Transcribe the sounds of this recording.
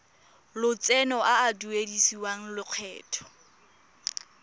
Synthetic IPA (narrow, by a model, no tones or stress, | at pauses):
lʊt͡sɛnɔʔaːduedisiwaŋ̩lʊq͡χʰɛːtʰɔ̥